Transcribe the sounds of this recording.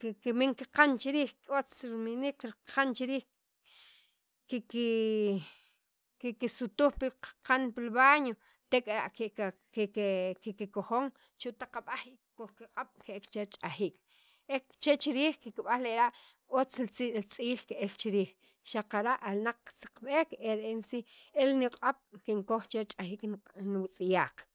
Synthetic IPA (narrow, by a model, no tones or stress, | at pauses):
kkimiŋkiqant͡ʃiɾiːxkot͡sɾminikɾiqant͡ʃiɾiːx | kiki | kikisut̪uχpiqḁqanpilβaːɲo | t̪ekʼaɾa̰ʔke | kekikikoxoŋ | t͡ʃut̪aqaɓaχi | koχkiqʼaɓ̥keʔekt͡ʃeɾt͡ʃʼaxiːk | ekt͡ʃet͡ʃiɾiːχkikiɓanleʔɾaʔ | ot͡slt͡sʼiːlkeʔelt͡ʃiɾiːχ | ʃaqaɾaʔalnaq͡χːsḁqɓeːkeɾeensielniqʼaɓ̥kiŋkoχt͡ʃeɾt͡ʃʼaxiːknwit͡sʼijaːq͡χ